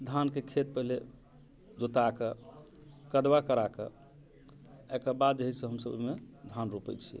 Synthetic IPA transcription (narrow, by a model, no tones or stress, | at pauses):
d̪ʱankekʰet̪̚pəɦile | d̪ut̪akə | kəd̪bakəɾakə̰ | ɛkəbad̪̚d͡ʒəɦisẽɦəmsə̰bmed̪ʱanɾopɛ̰t͡ʃʰi